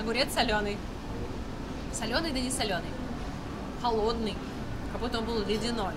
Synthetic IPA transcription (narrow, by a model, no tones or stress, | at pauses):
ɐɡʊɾʲɛt̪sɐlʲonɨj | sɐlʲonɨjd̪ɐnʲɪsʲɐlʲonɨj | xɐlˠod̪nɨj | kɐbut̪ːõnbɨlˠəlʲɪdʲɪno